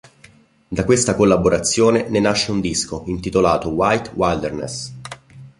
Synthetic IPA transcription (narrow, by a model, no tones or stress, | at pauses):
d̪akwest̪akolːaboɾat̪sːjoːnenenaʃːeund̪iskoint̪it̪olaːt̪owajt̪wajld̪ernḛs